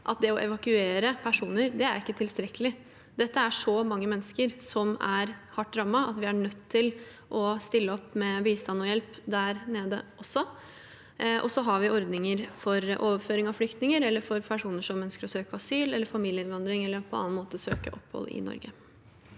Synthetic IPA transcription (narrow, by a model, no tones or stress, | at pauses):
ʔɑ̰t̪̚d̪ɛɔʔɛʋɑkʉeːɾəpʰæʂuːnəɾd̪ɛæɾɪkːət̪ʰɪlst̪ɾɛkːəlɪ | d̪ɛt̪ːəæʂɔmɑŋːəmɛnːəskəɾsɔmæɾhɑʈ̪̚ːɾɑmːɑɑ̰t̪ʋɪæɳœt̪ʰːɪl | ʔɔst̪ɪlːəɔpːmɛbiːst̪ɑnːɔjɛlpd̪æɾneːd̪ə̰ʔɔsːɔ | ʔɔ̰sɔɦɑɾʋɪʔɔɾd̪nɪŋəɾfɔɾʔoːʋəɾføːɾɪŋɑʋflʏk̚t̪nɪŋəɾɛlːəɾfɔɾpʰæʂuːnəʂɔmœnskəɾɔsøːkəɑsyːlɛlːəɾfɑmiːljəɪnʋɑnd̪ɾɪŋɛlːəɾpʰɔɑ̰nːɑnmoːt̪əsøːkə̰ʔɔpːhɔ̰lɪ̰nɔ̰ɾɡə̰